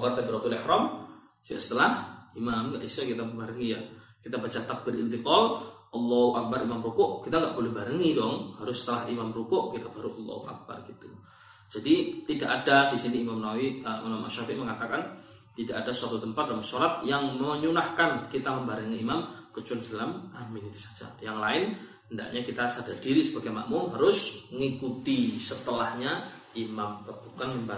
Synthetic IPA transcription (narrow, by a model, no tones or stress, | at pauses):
bart̪abəɾat̪ulɛhɾɔm | a̰ʔsə̥t̪əlahimamɡaʔisakit̪aməmbaɾəŋijakit̪abat͡ʃat̪ak̚b̥ərḭnt̪ikɔlʔɑlːɔhuʔak̚baɾimamɾukʊʔkit̪aŋɡaʔb̥olɛhbaɾəŋidɔŋhaɾʊsːə̥t̪əlahimamɾukʊʔkit̪abaɾuʔɑlːɔ̰huʔa̰k̚ba̰rɡit̪u | d͡ʒadit̪idaʔadadisiniːmamnawiimamʔa̰ʃafiʔməŋat̪akan | t̪idaʔadasəwat̪ut̪əmpat̪̚dalamsoɾat̪̚jaŋməɲunahkankit̪aməmbaɾəŋiimamkət͡ʃʊndalamʔamɪnit̪u̥sḁd͡ʒa̰jaŋlaɪnhənda̰ʔɲakit̪asadardiɾisəbaɡajma̰ʔmuŋɦaɾʊsŋikut̪isət̪əlahɲa | ʔimampərbukanməmba